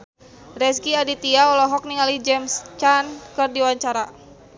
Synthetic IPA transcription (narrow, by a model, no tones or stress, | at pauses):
rɛskiadit̪iaɔlɔɦɔk̚niŋalid͡ʒɛmst͡ʃankərdiwaɲt͡ʃaɾa